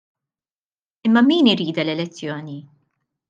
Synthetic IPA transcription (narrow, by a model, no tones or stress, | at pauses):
ɪmːɐmiːnɪɾiːd̪ɐlɛlɛt͡sːjɔːni